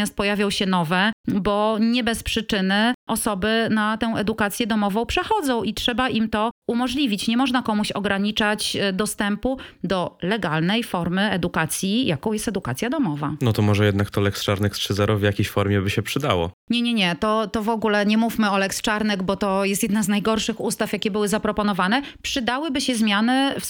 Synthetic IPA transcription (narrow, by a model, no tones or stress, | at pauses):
jast̪̚pɔjavʲjɔ̃w̃ɕɛnɔvɛbɔɲɛbɛspʂɘt͡ʂɘnɘʔɔsɔbɘnat̪ɛw̃ʔɛd̪ukat̪sʲjɛd̪ɔmɔvɔ̃w̃pʂɛxɔd̪zɔ̃w̃ʔitʂɛbaʔimt̪ɔumɔʐlʲivʲit͡ɕɲɛmɔʐnakɔmuɕɔɡɾaɲit͡ʂat͡ɕd̪ɔst̪ɛmpud̪ɔlɛɡalnɛjfɔɾmɘɛd̪ukat̪sʲjijakɔ̃w̃jɛst̪ɛd̪ukat̪sʲjad̪ɔmɔvanɔt̪ɔmɔʐɛjɛd̪nakt̪ɔlɛkst͡ʂaɾnɛkst͡ʂɘzɛɾɔvʲjakʲejɕfɔɾmʲjɛbɘɕɛpʂɘd̪awɔ̰ɲɛɲɛɲɛt̪ɔt̪ɔvɔɡulɛɲɛmufmɘɔlɛkst͡ʂaɾnɛɡbɔt̪ɔjɛst̪jɛd̪naznajɡɔɾʂɘxust̪afjakʲɛbɘwɘzapɾɔpɔnɔvanɛpʂɘd̪awɘbɘɕɛzmʲjanɘf